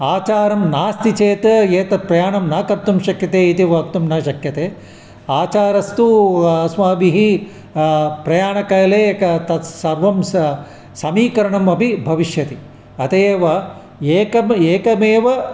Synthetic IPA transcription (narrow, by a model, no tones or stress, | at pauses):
aːt͡ʃaːɾɐmnaːst̪it͡ʃeːt̪ɐjeːt̪ɐt̪̚pɾɐjaːɳɐmnɐkɐɾt̪umʃɐkjɐt̪eːit̪iʋɐːkt̪umnɐʃɐkjɐt̪eː | aːt͡ʃaːɾɐst̪uɐsʋaːbiɦi | pɾɐjaːɳɐkɐjɐleːkɐt̪ɐsɐɾʋɐms | sɐmiːkɐɾɐɳɐmɐbʱibʱɐʋiʃjɐt̪i | ɐt̪eːʋɐ | eːkɐmeːkɐmeːʋɐ